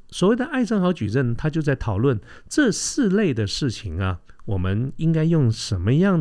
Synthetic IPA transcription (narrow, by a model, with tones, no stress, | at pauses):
swɔ˨˩we˥˩ɪd̪ə˩ʔa˥˩ɪʂə˥ŋxɑ˧˥ʊt͡ɕy̰˨˩ɻə˥˩nt̪ʰa˥t͡ɕjo˥˧ʊt͡sa˥˩ɪt̪ʰɑ˨˩ʊlwə˥˩n | ʈ͡ʂɤ˥˧sɹ̩˥˧le˥˩ɪd̪ə˩ʂɻ̩˥˩t͡ɕʰi˨˩ŋɐ˧˦wɔ˨˩mə˦ni˥ŋka˥ɪjʊ˥˩ŋʂə˧˥nmə˧jɑ˥˩ŋ